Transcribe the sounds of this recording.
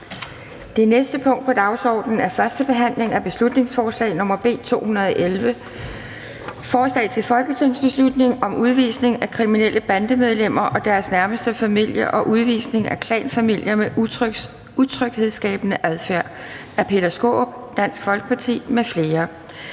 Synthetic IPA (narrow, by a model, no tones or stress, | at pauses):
d̥e̝nesd̥əpʰɔ̽ŋ̰d̥̚pʰɒ̽d̥ɑ̈ʊsɒ̰ːd̥n̩æɐfɶɐsd̥əb̥e̝ɦæn̰le̝ŋæb̥e̝slud̥ne̝ŋsfɒːslɛ̰ɪnɔ̽mɐb̥e̝̰ːt͡sʰo̝̰ːhunɐð̞ˠɒ̽ʔelʋə | fɒːslɛ̰ːt͡sʰe̝lfɒ̽lɡ̥ət͡sʰinsb̥e̝slud̥ne̝ŋɒ̽muð̞ˠʋiːsne̝ŋækʰʁiminel̰əb̥ænd̥əmeð̞ˠlem̰ɐʔɒ̽d̥æɐsnæɐməsd̥əfæmil̰jɐʔɒ̽ʔuð̞ˠʋḭːsne̝ŋækʰlɛ̰ːnfæmil̰jɐme | ut͡sʰʁœɡ̥he̝ð̞ˠsɡ̥ɛ̰ːb̥ənəʔæð̞ˠfæɐ̰ | æɐpʰe̝d̥æsɡ̥o̝̰ːb̥ | d̥æn̰sɡ̥fɒ̽lɡ̥ə̥pʰɑ̈t͡sʰḭːmefle̝ːɐ